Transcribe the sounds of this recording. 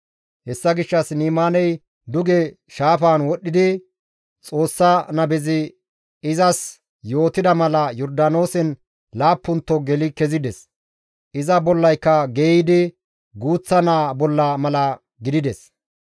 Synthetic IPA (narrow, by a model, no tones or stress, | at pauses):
hɛsːɐɡɪʃːɐsniːmaːnɛj | d̪ʊɡɛ | ʃaːfaːnwɔɗːɪd̪ɪ | t͡sʼo̞ːsːɐnɐbɛzɪ | ɪzɐs | jo̞ːt̪ɪd̪ɐmɐlɐjɔɾd̪aːno̞ːsɛn | laːpːʊnt̪ːɔɡɛlɪkɛzɪd̪ɛs | ʔɪzɐbɔlːɐjkːɐɡeːɪd̪ɪ | ɡuːt͡sːɐnaːbɔlːɐmɐlɐ | ɡɪd̪ɪd̪ɛs